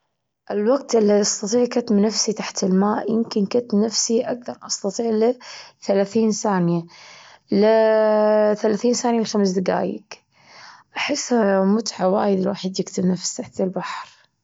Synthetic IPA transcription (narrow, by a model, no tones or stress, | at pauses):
ʔɪlwaɡ̚t̪ʔɪlːiɑst̪ɑt̪ˤiːʕkat̪mnafsit̪aħt̪ɪlmaːʔjɪmkɪnkʊt̪nafsiʔak̚θɑɾˤʔɑst̪ɑt̪ˤiːʕliθalaːθiːnθaːnja | l | θalaːθiːnθaːnjalxamsd̪ɪɡa̰ːjɪ̰k | ʔaħɪsːhamʊt̪ʕawaːjɪd̪ɪlwa̰ːħɪd̪jɪkt̪ɪbnafst̪aħt̪ɪlbaħɾ